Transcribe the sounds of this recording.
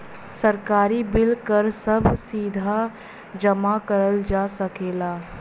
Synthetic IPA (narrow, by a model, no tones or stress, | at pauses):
sɐɾkaːɾibɪlkəɾsɐbʱsiːd̪ʱa | d͡ʒɐmakəɾəld͡ʒaːsɐkeːlaː